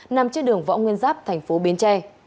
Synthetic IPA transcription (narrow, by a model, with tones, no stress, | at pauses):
na˨˩mt͡ɕɔ˧ɗɨ˨˩əŋvɔ̰˧˥ŋwi˧ənzaː˦˥p̚t̪ʰɛ˨˩jŋ̟fo˨˦ɓi˨˦ənt͡ɕɛ˧